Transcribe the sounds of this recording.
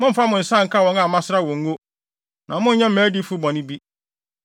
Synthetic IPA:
mʊ̃˦m̩˦fa˦mʊ̃˨n̩˨sã˦˨ŋ̩˨kʰa˦wɔ̃˨ŋa˨mã˦sɪ˦ɾa˦wɔ̃˨ŋ̩˦wo˦ | nã˨mʊ̃˦ɲ̩˦ɲɛ̃˦m̩˦˨mɛː˨˦di˦fu˦bɔ̃˨nɪ̃˦bi˦

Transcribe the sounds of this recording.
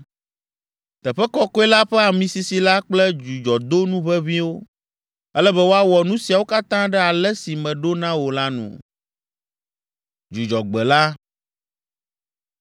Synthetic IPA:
t̪ɛ˨ɸɛ˦kɔ˦kɔ˦ɛ˦la˦ɸɛ˦a˨mĩ˨si˨si˨la˦k͡plɛ˦d͡ʒu˨d͡ʒɔ˨d̪o˦nũ˦βɛ˦βĩ˦wo˦ | ɛ˦lɛ˦bɛ˦wo˦a˦wɔ˨nũ˦si˨a˨wo˦ka˦t̪ã˦ɖɛ˦a˨lɛ˦si˨mɛ̃˨ɖo˦nã˦wo˨la˦nṵ̃˨ | d͡ʒu˨d͡ʒɔ˨ɡ͡bɛ˨la˦

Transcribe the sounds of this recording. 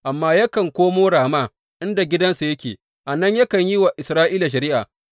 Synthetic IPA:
ʔa˨mːaː˦jɐ˦kɐ˨ŋkʷoː˦moː˦ɽaː˨maː˦ | ʔɪ˦nda˨ɡʲɪ˦dɐ˦nsa˨jɐ˦kʲeː˨ | ʔa˨nɐ˦ɲjɐ˦kɐ˨ɲji˦wa˨ʔɪ˨sɾaː˦ʔiː˦la˨ʃ̬ɐ˨ɾiː˦ʔa̰ː˨

